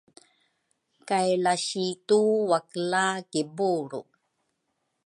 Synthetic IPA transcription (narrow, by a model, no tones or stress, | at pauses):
kajlaɕituwaklakibuɾṵ